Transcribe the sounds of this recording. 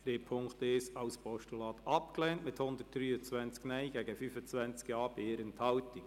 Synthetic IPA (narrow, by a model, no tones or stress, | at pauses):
ɾeːpʰʊŋkt̪esɑʊspʰɔʃtulɑːt̪ɑpklɛːntmɪt̪hʊnd̪ət̚d̥ɾyːət͡sʋænt͡sknɛɪjɡɛɡəfyfət͡svænt͡skjɑːb̥eɪːɾənt̪ʰɑwt̪ɪ